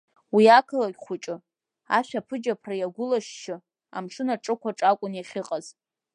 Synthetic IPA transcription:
wiakʰɨlaɡʲχʷʊt͡ʃʼɨ | aʃᶣapʰɨd͡ʒapʰrajaɡʷʊlaʃʃɪ | a̰mʂɨnaʈ͡ʂʼɨkʷʰaʈ͡ʂʼakʷʼʊnjaχʲɪqʼaz̥

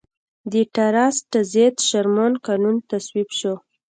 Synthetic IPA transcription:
d̪iʈaɾasʈazet̪ʃaɾmonkanunt̪aswibʃo

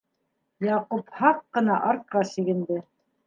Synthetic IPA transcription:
jɑquphɑqːɤ̆nɑʔɑɾkɑsiɡɘ̆nd̪ɘ

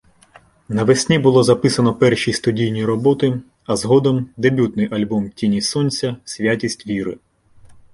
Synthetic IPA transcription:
nɐʋesʲnʲibʊlˠɔzɐpɪsɐnɔpɛrʃʲijst̪ʊdʲijnʲijɾɔbɔt̪ɪ | ɐzɦɔd̪ɔmd̪ebʲut̪nɪjʔɐlʲbɔmtʲinʲisɔnʲt͡sʲɐsʲʋʲjatʲisʲtʲʋʲiɾɪ̰

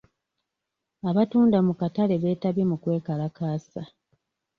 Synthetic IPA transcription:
aβatuːndamukatale̞βe̞ːtaβjemukwe̞ːkalakaːsa

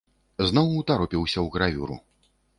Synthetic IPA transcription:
znɔwut̪aɾɔpʲiwsʲɐwɣɾavʲṵɾṵ

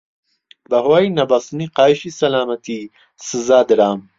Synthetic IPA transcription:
bɐhwaːinɐbasɨniqaːiʃisɐlaːmɐt̪ʰi | sɨzaːd̪ɨɾaːm

